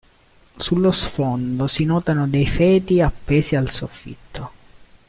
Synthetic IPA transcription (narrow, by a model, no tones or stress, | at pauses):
sulːosfond̪osinɔːt̪anod̪ejfɛːt̪iapːɛːsialsofːḭt̪ʰːo